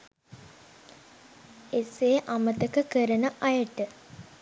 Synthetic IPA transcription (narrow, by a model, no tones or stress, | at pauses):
eseːʔamət̪əkəkəɾənəʔɐjəʈə